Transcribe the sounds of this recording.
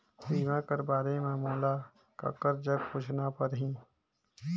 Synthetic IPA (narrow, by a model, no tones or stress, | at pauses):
sɾiːʋãkəɾbaːɾemẽmoːla | ka̰kːəɾd͡ʒəɡ̚pʊt͡ʃʰnapəɾɦĩː